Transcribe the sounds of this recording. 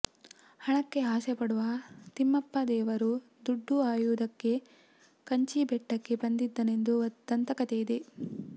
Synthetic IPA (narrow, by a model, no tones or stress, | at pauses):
hɐɳɐkːe̞ɦaːsepɐɽuʋɐt̪imːɐpːɐd̪ɛːʋɐɾu | d̪uɖːuaːjuːd̪ɐkːe̞ | kɐɲt͡ʃibɛʈːɐkːe̞bɐnd̪id̪ːɐne̞nd̪uɐt̪ːɐnt̪ɐkɐt̪ejid̪e̞